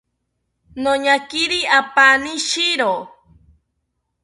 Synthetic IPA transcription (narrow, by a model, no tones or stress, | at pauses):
nõɲãkiɾiapanĩʃiɾo